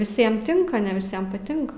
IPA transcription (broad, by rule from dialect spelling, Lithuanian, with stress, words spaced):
ʋʲɪˈsʲiɛm ˈtʲɪŋkɐ nʲɛ ʋʲɪˈsʲiɛm pɐˈtʲɪŋkɐ